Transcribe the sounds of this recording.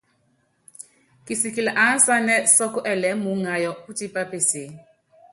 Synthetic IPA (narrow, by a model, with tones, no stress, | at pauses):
ki˨si˨ki˨la˨ʔa˨˦n˦sa˦nɛ˦sɔ˦kɔ˦ʔɛ˨lɛ˨˦mu˨˦ŋa˨jɔ˨u˦ti˦pa˦pe˨se˨˦